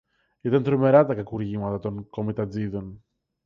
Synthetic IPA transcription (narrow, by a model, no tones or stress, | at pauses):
it̪ɐnt̪ɾome̞ɾɐt̪ɐkɐkuɾʝimɐt̪ɐt̪o̞ŋko̞mit̪ɐd͡ziðo̞n